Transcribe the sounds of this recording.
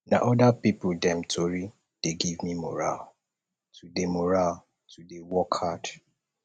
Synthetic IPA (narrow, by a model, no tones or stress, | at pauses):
na̰ʔɔdapipʊdɛ̃mtʰoɹi | d̥eɡivmimɔ̰ɹa̰l | tʰudemɔɹal | tudewɔkʰad